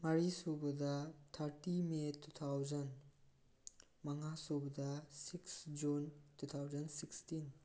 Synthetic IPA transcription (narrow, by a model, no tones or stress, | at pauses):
mɐɾisobɐdɐtʰaɾtimetʰut̪ʰawzɐn | mɐŋasobɐdɐsiksd͡ʒuntʰut̪ʰawzɐnsikstin